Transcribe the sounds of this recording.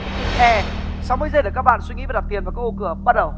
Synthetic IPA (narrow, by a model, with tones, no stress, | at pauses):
ʔɛ˧˩sa˨˧˦wməː˧˦zə˧ɗkaː˦˥k̚ɓa̰˧˨nswi˧ŋḭ˧˥va˨˩˨t̪ʰənvkːa˧˦kʔo˧kɨ˧˩əɓa˦˥t̚ɗə˨˩w